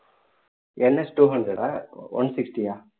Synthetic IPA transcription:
ɛnːɐsʈuːɦɐɳɖɾɛɽaɔ̰nsɪksʈijaː

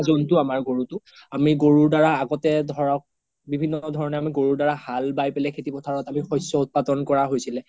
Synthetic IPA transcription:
zɔntʊamaɹɡoɹutʊ | amiɡoɹuɹdaɹaːɡɔtɛdʱɔɹak̚ | bibʱinːɔdʱɔɹɔnɛamiɡoɹuɹdaɹahalbajpelɛkʰetipɔtʰaɹɔtamixɔjsɔut̚padɔnkɔɹaɦojsilɛ

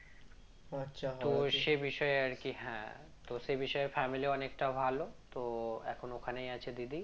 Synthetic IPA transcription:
ɐtːʃʰt̪oʃebiʃɔeaɾkiɦɛ̰̃ | t̪oʃebiʃɔeɾfɛmiliɔnek̚ʈabʱalot̪oɛ̰kʰonokʰanejat͡ɕʰed̪id̪i

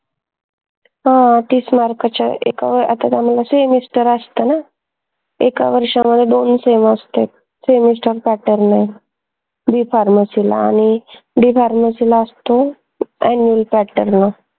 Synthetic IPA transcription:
ɦãt̪ismaɾkət͡ʃʰa̰ḛka̰ʋəɐt̪ːat̪amalaseːmisʈəɾast̪ena | eka̰ʋəɾʃaməd̪eɖ̪onseːmast̪e | seːmisʈɔɾpɛʈəɾna | ɖipʰaɾməsila̰a̰ni | ɖipʰaɾməsilaːst̪o | ɛnjuəlpɛʈəɾna

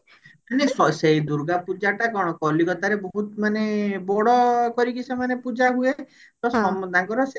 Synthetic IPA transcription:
anesɔsejd̪uɾɡapud͡ʒaʈakɔɽ̃ɔkɔlikɔt̪aɾebɔɦut̪manebɔɽɔkɔɾikisemanepud͡ʒaɦue | t̪ɔsɔmɔd̪ʱaŋkɔɾɔse

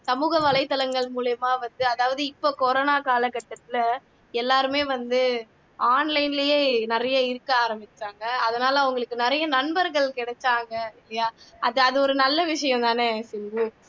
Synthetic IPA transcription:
sɐmuːɣɐʋɐlɐɪt̪ːɐlɐŋɡɐɭmuːlɐjɐmaːʋɐnd̪ɯɐðaːʋɐðɯɪpːoːkɔɾoːnaːkaːlɐkːɐʈːɐt̪ːɪlɐ | ɛlːaːɾɯmeːʋɐnd̪ɯ | aːnlɐɪnlɐjeːnɪɾɐjɐɪɾɯkːɯaːɾɐmbɪt͡ʃːaːŋɡɐɐðɐnaːlɐʊŋɡɐɭɯkːɯnɪɾɐjɐnɐnbɐɾɣɐɭkɪɽɛt͡ʃːaːŋɡɐɪlːɐjaːɐðɯɐðɯɔɾɯnɐlːɐʋɪʂɐjɐ̃mt̪aːneːsɪmbɯ

